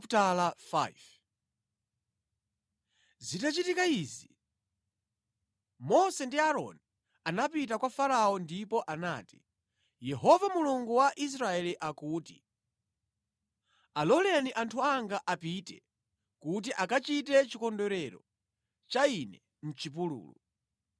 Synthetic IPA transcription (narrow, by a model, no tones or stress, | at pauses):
ptalafa̰v | zitat͡ʃitikaiːzi | mɔsɛndiaɾɔ̰ni | anapit̬akwafaɾaɔndipɔʔana̰ːti̥ | jɛɦɔvamuluŋɡuwaʔis̬ɾaɛliʔakuːti̥ | alɔlɛniʔantʰuaŋɡaʔapitɛ̰ | kut̬iʔakat͡ʃit̬ɛt͡ʃikɔndɔɾɛɾɔ | t͡ʃainɛ | n̩t͡ʃip̬ulṵːlṵ